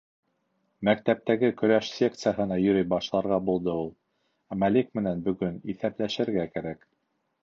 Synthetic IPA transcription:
mækt̪æp̚t̪æɡɘkɵ̆ɾæʃsʲe̞k̚t̪sɨjaɦɤ̆nɑjɵ̆ɾɘjbɑʃlˠɑɾʁɑbulˠd̪ɤulˠ | æmælik̚mɘ̆nænbɵ̆ɡɵniθæplæʃɘ̆ɾɡækæɾæk

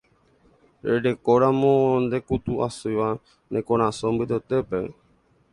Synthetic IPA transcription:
ɾeɾe̞koɾãmõnd̪e̞kut̪uasujʋa | nẽkõɾ̃ãsõmbɨt̪et̪epe

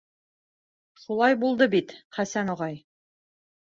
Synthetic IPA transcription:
ʃulˠɑjbulˠd̪ɤbit̪χæsænŏʁɑj

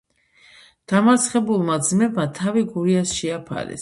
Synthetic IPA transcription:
d̪̥amaɾt̪sʰχɛbulˠmad̪zmɛbmat̪ʰaviɡuɾiasʃɛapʰa̰ɾɛ̰s

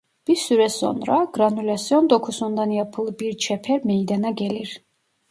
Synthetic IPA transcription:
b̥iɾsyɾɛso̰nɾɑɡɾɑnylʲɑsijond̪okʰusund̪ɑnjɑpʰɯlˠbiɾt͡ʃʰɛpʰɛɾmejd̪ɑnɑɟɛliɾ

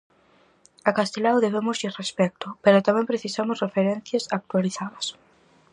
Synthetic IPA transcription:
akast̪elawðeβemʊzirespɛk̚t̪ʊpeɾʊt̪amɛ̃mpɾeθisamʊsrefeɾɛn̟θjɐsak̚t̪waliθaðɐs

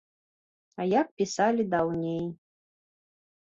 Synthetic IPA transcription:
ɐjak̚pʲisalʲid̪awnʲej

